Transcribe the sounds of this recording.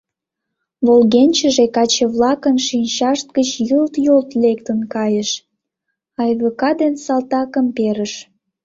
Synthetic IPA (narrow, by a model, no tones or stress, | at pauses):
βolɣenʲt͡ɕəʒekɑt͡ɕeβlɑkənʃinʲt͡ɕɑʃt̪̚ɡət͡ɕjult̪jolt̪lekt̪ənkɑjəʃ | ɑjβəkɑd̪ensɑlt̪ɑkəmpeɾəʃ